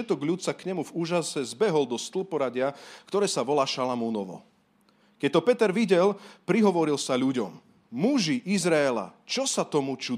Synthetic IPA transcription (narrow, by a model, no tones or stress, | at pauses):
ɛt̪ɔɡʎut̪sakɲɛmuvuːʒasɛzbɛɦɔld̪ɔst̪l̩pɔɾaɟɪakt̪ɔɾɛːsaʋɔlaːʃalamuːnɔʋɔ̰ | kɛc̚t̪ɔpɛt̪ɛɾʋiɟɛlpɾiɦɔʋɔɾilsaʎuɟɔ̰mː | uʒiʔizɾaɛla̰t͡ʃɔsat̪ɔmut͡ʃu